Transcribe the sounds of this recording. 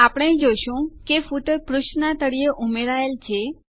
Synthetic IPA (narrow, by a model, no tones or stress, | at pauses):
apɽ̃ẽd͡ʒoʃũkefuʈəɾpɾuʃnat̪əɽieʔumeɾaelt͡ʃʰe